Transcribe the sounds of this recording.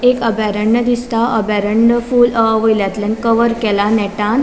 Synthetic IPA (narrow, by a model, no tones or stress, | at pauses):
ekəbɛɾəɳːəd̪ist̪aʔəbɛɾəɳɖəfuːləʋəjljat̪lɛ̃nkəʋəɾkɛlanɛʈan